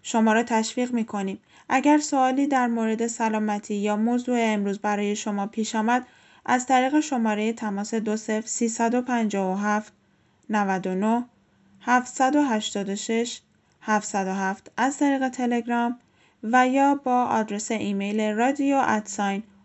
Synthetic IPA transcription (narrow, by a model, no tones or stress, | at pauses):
ʃo̞mɒːɾɒːt̪ʰæʃviːɣmiːkʰo̞niːm | ʔæɟæɾso̞ɒːliːd̪æɾmoɾe̞d̪e̞sælɒːmæt̪ʰiːjɒːmozuːeːmɾuːzbæɾɒːje̞ʃo̞mɒːpʰiːʃɒːmæd̪̥ | ʔæzt̪ʰæɾiːɣe̞ʃo̞mɒːɾe̞je̞t̪ʰæmɒːse̞d̪ose̞fɾsiːsæd̪o̞pʰænd͡ʒɒːvoɦæft̪ | nævæd̪o̞noh | hæft̪sæd̪o̞ɦæʃt̪ɒːd̪o̞ʃe̞ʃ | hæft̪sæd̪o̞ɦæft̪æzt̪ʰæɾiːɣe̞t̪ʰe̞le̞ɡɾɒːm | væjɒːbɒːʔɒːd̪ɾe̞se̞ʔiːme̞jleɾɒd̪ioʔæt̪sɒːjn